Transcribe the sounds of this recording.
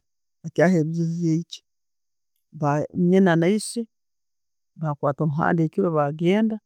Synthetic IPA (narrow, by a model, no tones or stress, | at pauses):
βakjaːɦeβiizijeit͡ʃi̥ | βaɲenanaisi | βakwaːtomuɦa̰ːndekiβeβaɡeːnda